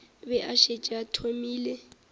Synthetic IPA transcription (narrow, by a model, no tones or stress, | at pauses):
bɛʔaʃet͡ʃʼatʰomiːle